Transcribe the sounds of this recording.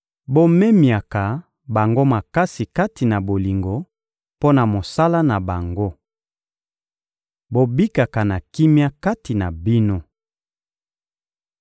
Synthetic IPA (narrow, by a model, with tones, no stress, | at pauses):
bo˦me˦mja˨ka˨ | ba˨ŋɡo˦ma˨ka˦si˨ka˦ti˨na˨bo˨li˨ŋɡo˨ | po˦na˨mo˨sa˦la˦na˨ba˨ŋɡo˦ | bo˦bi˦ka˨ka˨na˨ki˦mja˦ka˦ti˨na˨bi˦no˦